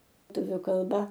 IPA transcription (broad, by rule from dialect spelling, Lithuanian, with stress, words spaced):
ˈtʊʋʲʊ kɐlˠˈbɐ